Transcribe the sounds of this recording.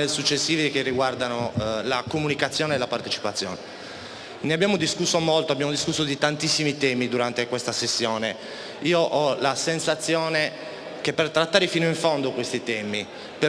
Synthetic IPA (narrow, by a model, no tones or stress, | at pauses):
esut͡ʃːesːiːvikerːiɡward̪anolakomunikat̪sːjɔːneːlapart̪et͡ʃi̥pat̪sːjɔ̰ːne | neabːjaːmod̪iskusːomolt̪oabːjaːmod̪iskusːod̪it̪ant̪isːimit̪ɛːmid̪uɾant̪ekwest̪asesːjɔːne | iːoʔɔlasensat̪sːjɔːne | kepːert̪ɾat̪ːaːɾefiːnoiɱfond̪okwest̪it̪ɛːmi | pe